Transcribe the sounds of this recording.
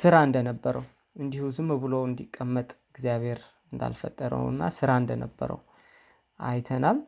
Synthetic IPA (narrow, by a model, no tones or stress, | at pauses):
sɨɾaɨnd̪ənəbːəɾəw | ʔɨnd̪ihuzɨmbɨlowɨnd̪ikʼːəmːət̪ʼɨɡzijaβhe̞ɾ | ɨnd̪a̰lfət̪ʼːəɾə̰wnːa̰sɨɾaɨnd̪ənəbːə̰ɾə̰w | ʔa̰jt̪ʰənal